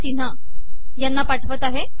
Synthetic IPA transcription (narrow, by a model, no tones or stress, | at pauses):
sin̤a | janːapaʈʰəʋət̪aɦe